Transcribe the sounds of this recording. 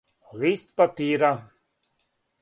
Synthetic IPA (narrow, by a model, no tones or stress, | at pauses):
liːst̪pɐpiːɾa